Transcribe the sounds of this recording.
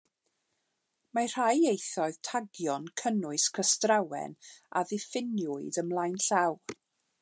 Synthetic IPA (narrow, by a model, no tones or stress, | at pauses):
mar̥ajejθɔɨð̥tʰaɡjɔnkʰənʊɨskʰəstrawɛ̰nʔa̰ðɪfɪnjʊɨdəmlˠajnɬaw